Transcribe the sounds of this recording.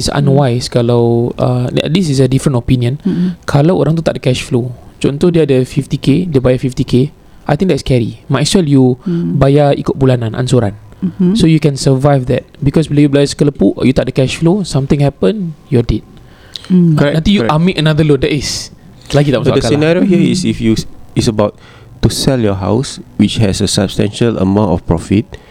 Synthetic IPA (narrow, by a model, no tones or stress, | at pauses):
itsã̰nwajskalawə̰dis̬is̬ədifɾə̃ntopiniə̃nkʰalawo̰ɾʔãŋt̪̬ut̪a̰ʔ̚dəkɛʃflod͡ʒo̰nt̪udiadəfift̪ikediəbajafift̪ike | ʔajt̪ĩŋdɛtskɛɾḭmajswɛljubajaḭkʊt̪̚bulanãnʔa̰nsoɾa̰nsojukɛ̃nsəvajfdɛ̰t̚bikɔswilojublajəskələpuʔjut̪ɔt̚dəkɛʃflosãmt̪ĩŋhɛpə̃njɔdet̚ | kɔɛnãt̪ĩjuʔamiʔənadəlodɛʔis | laɡit̪aʔm̃sdəainaɹiohiəisifjuisəbaʊt̚ː | usɛljɔɦa̰ʊswit͡ʃhɛsəsabstɛ̰̃nʃələ̰mãʊ̃ntɔ̰fpɹɔfit̚